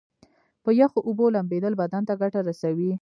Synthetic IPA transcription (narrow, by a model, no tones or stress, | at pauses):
pəjaxoʔubolambed̪əlbad̪ant̪aɡaʈaɾasawi